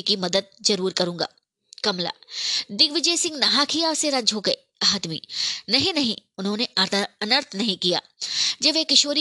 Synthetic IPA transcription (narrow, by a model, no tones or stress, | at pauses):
kimɐd̪əd̪̚zɐɾuːɾkɐɾũːŋɡa̰ː | kɐmla̰ːd̪ɪɡʋɪd͡ʒeːsɪ̃ŋɡnɐɦakʰijaseɾɐ̃ɲd͡ʒʱɦoɡɐi | aːd̪mḭːnɐɦĩnɐɦĩʊnɦõːneɐnəɾt̪ʰnɐɦĩkija̰ːd͡ʒɐʋeːkɪʃoːɾi